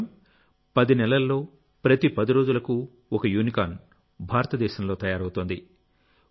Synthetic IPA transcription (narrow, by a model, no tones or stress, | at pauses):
m | pɐd̪inɛlɐlːo̞ː | pɾɐt̪ipɐd̪iɾo̞ːd͡ʒulɐku | ɔkɐjuːnikaːn | bʱaːɾɐt̪ɐd̪ɛːʃɐmlo̞ːt̪ɐjaːɾɐwt̪oːnd̪i